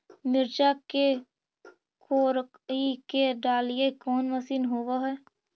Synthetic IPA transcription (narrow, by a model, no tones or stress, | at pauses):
mɪɾd͡ʒake | koːɾ | ikeɖaːlijekɔːnʋəsiːnɦoːʋaɦɛː